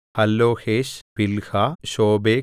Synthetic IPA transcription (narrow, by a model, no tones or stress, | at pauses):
hɐlːoːxʰeːʃpilxʰaʃoːbeː